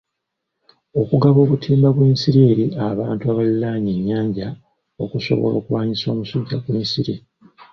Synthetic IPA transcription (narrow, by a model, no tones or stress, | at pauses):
o̞kuɡaβo̞ːβutʰiːmbaβweːnsiɾeːɾiʔaβaːntuaβalilaːɲeɲːaːɲɟa | okuso̞̰βo̞̰lo̞̰ːkuβaːɲiso̞ːmusuɟːaɡweːnsiɾḭ